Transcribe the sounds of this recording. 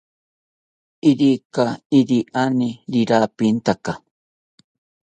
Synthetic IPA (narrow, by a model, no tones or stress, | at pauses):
ɪɾikaɪɾiʔanɪɾɪɾapint̪aka